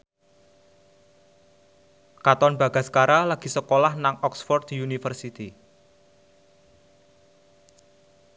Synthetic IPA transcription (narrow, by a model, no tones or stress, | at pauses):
kat̪ɔnba̤ɡ̥a̤skaɾalaɡ̥i̤səkolahnaŋɔksfɔrd̪̚d̥̪iunifərsit̪i